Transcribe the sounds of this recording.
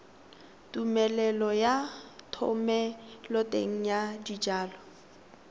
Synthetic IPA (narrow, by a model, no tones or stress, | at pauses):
tʼumɛlɛlɔjatʰɔ̰mɛlɔtʼḛŋ̩jadid͡ʒaːlɔ